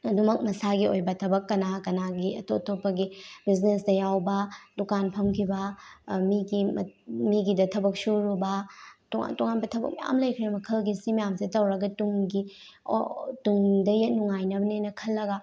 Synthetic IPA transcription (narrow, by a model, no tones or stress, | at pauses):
ɐdumɐk̚mɐsaɡiojbɐtʰɐbɐkːɐnakɐnaɡiɐ̰totopːɐɡibiznesdɐjawbɐdukanpʰɐmkʰibɐmiɡimmiɡidɐtʰɐbɐk̚suɾubɐtoŋa̰toŋanbɐtʰɐbɐ̰k̚mɐja̰mlɐjkʰɾiɐmɐkʰɐlɡisimɐjamsitɐwɾɐɡɐtuŋɡi | o̰tuŋdɐjɐt̚nuŋajnɐbɐnenɐkʰɐlːɐɡɐ